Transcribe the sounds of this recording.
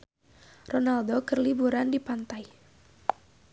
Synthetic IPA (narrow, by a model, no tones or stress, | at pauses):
ronaldokərlibuɾandipant̪ai